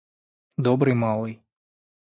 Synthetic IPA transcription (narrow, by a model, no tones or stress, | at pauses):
d̪ɔbɾɨjmɑlˠɨj